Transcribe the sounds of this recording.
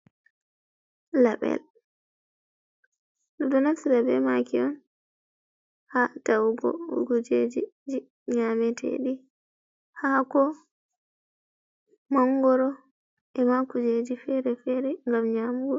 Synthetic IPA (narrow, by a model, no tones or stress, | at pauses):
laɓɛ̰l | dudɔnasiɾabɛ̰makiɔn | hatawuɡɔ̰ṵɡud͡ʒed͡ʒid͡ʒi | ɲamɛtʰɛ̰ɗi | hakɔ | maŋɡɔɾɔ | ʔɛmakud͡ʒed͡ʒifɛɾɛfɛɾɛŋɡamɲamuɡɔ